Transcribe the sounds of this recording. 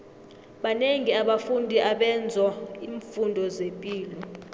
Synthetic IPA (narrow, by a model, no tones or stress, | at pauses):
ɓaneŋiaɓafundʱiʔaɓɛnd͡zʱɔiːɱfundʱɔzempʼiːlɔ